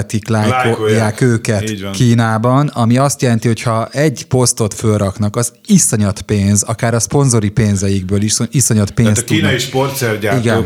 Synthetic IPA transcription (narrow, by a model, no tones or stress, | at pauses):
t̪iklaːjkojaːkøːkɛt̪ːnkiːnaːbɒnɒmiɒst̪jɛlɛnt̪iɦo̞chɒɛɟpo̞st̪o̞t̪følrɒknɒkɒz | isoɲɒt̪peːnzɒkaːɾɒspo̞nzo̞ɾipeːnzɛjiɡbøːliʃsoisoɲɒt̪peːnst̪k̪uiːnjiʃport̪sɛrɟaiɡɛn